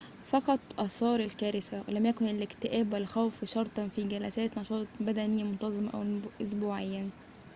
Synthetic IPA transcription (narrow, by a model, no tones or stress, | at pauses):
fɑqɑt̪ˤʔɑsˤɑːɾˤɪlkæːɾɪsælæmjækonelɪkt̪ɪʔæːbʔælxæwfʃɑɾˤt̪ˤɑnfiɡælæsæːt̪nɑʃɑːt̪ˤbæd̪ænɪjːæmont̪ɑzˤemʔæ̰wʔos̬buːʕejːæ